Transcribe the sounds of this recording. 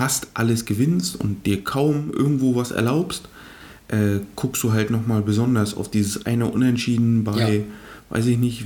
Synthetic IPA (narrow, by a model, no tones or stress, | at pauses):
astʔaləsɡ̥əvɪnstʊ̰nt̚d̥iːɐkʰaʊmʔɪ̰ɐɡŋ̩tv̥oːvasɛ̰ɐlaʊpst | ʔɛːkʰʊkstd̥uːɦaltnɔχmaːlbəzɔndɐsa̰ʊfd̥iːzəsʔa̰ɪnəʔʊnɛntʃiːdn̩baɪva̰ɪs̬ɪçnɪçt